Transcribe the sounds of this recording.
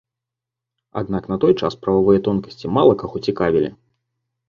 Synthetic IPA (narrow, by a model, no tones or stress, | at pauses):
a̰d̪naknɐt̪ɔjt͡ʂa̰spɾɐvavɨjɐt̪ɔnkɐsʲt͡sʲimalˠɐkaxɔt͡sʲikavʲilʲḭ